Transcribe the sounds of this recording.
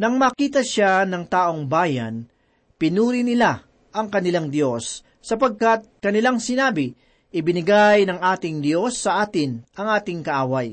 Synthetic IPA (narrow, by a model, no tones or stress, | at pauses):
nɐŋmɐkiːt̪ɐʃanɐŋt̪aːʔo̞ŋbaːjɐ̰n | pɪnuːɾɪnɪla | ʔɐŋkɐnɪlaŋd̪jo̞sː | ɐpɐɡ̚kɐt̪̚kɐnɪlaŋsɪnaːbɪ | ʔɪbɪnɪɡajnɐŋʔaːt̪ɪŋd̪jo̞sːɐʔaːt̪ɪnʔɐŋʔaːt̪ɪŋkɐʔaːwaj